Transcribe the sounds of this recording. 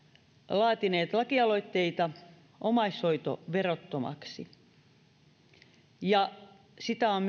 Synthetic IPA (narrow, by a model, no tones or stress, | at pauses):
lɑːt̪ineːt̪lɑkiɑlo̞it̪ːe̞it̪ɑ | ʔomɑisho̞it̪o̰ʋerot̪ːomɑ̰ksi | jɑ | sit̪æom